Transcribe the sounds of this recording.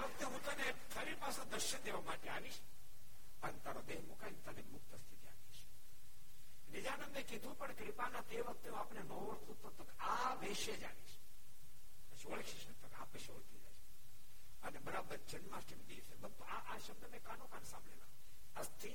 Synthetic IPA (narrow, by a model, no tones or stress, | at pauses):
eʋək̚t̪eɦũt̪əne | fʰəɾiɾpasõd̪əɾʃənd̪eʋamaʈeaʋiʃ | ənet̪aɾod̪eɦmukaint̪ənemʊk̚t̪əst̪ʰit̪ia̰ʋiʃ | nɪd͡ʒanənd̪ekid̪ʱũpəɳkɾɪpanat̪eʋək̚t̪ẽapnenəʋəɾt̪ʰũt̪ət̪ːəka | ʋeʃed͡ʒa̰niʃ | əʃoɭkʰiʃɐt̪ʰːəka̰pəʃoɽt̪ʰid͡ʒa̰jʃ | ənebəɾabəɾd͡ʒənmãsʈʰimd̪isebənt̪uaʔaʃəb̚d̪ʱəmẽkanõkaːnsã̰ːmbʱɭela | əst̪ʰi